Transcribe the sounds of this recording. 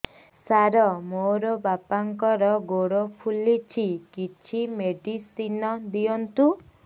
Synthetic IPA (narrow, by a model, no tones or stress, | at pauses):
saɾɔmoɾɔbapaŋkɔɾɔɡoɽopʰulit͡ʃʰikit͡ʃʰimeɖisinɔd̪iɔnt̪u